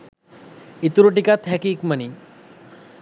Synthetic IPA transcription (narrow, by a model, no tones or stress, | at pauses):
it̪uɾoʈikat̪ʰɦɛkikməni